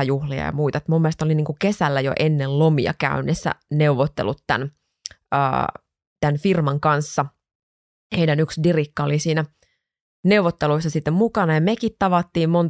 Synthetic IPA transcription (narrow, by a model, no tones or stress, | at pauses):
ɑjuhlijɑ̰jɑ̰muijt̪ɑet̪mumːiest̪oliniːŋkukesælːæjo̰ʔenːellomiɑ̰kæ̰ynːesːæ̰neuʋot̪ːḛlut̪tæ̰n | ə̰ː | t̪ænfirmɑŋkɑnsːɑ | heidænyksdirikːɑolisiːnæ | ne̞uʋot̪ːeluisːɑsit̪ːemmukɑnɑjɑmekit̪t̪ɑʋɑt̪ːiːmmont